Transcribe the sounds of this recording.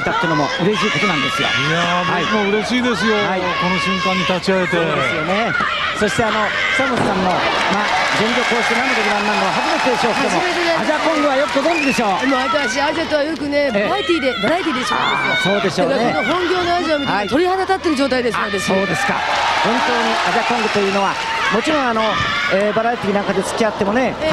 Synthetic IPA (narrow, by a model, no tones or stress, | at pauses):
t̪at̪ːeɯnomo̞̰ɯ̟ɾe̞ɕiːko̞t̪o̞nãnd̪esɨjo̰jamhaimoɯ̟ɾe̞ɕiːd̪e̞s̬ɨjo̞hai | ko̞no̞ɕĩŋkãɲ̟ːit̪at͡ɕiae̞t̪e̞desɨjone | so̞ɕi̥t̪e̞ano̞ | samossãmːo̞ | maː | zẽ̞ɲɡʲoko̞ːɕi̥t̪enamok̪okɯɾãnːãnk̪aaɦazimat͡ɕed̪eɕo̞ːkosmeɾeneaakõŋɡɯβajo̞kɯ̟ɡozõnd̪ed̪e̞ɕo̞ːmoait̪aɾaɕ̬iaʑiat̪oβajo̞kɯ̟ne̞bɾait̪ʲiːd̪ebaɾait̪̬ʲiːd̪eɕoa̰so̞ːd̪e̞sɕoakkonoɦõ̞ŋɡʲo̞ːnoaʑiamitit̪o̞ɾʲihad̪at̪at̪ːe̞ɾɯ̟d͡ʑo̞ːt̪̬aid̪esanod̪esoːd̪e̞sɨ̥ka̰hõnt̪o̞ːɲiʔaʑakõ̞ŋɡɯ̟t̪o̞jɯ̟ːno̞βa | mo̞t͡ɕiɾõ̞ɰ̃ano̞eːbaɾait̪ʲiːnãŋkad̪e̞t͡sɨ̥kʲiat̪ːe̞mo̞ne̞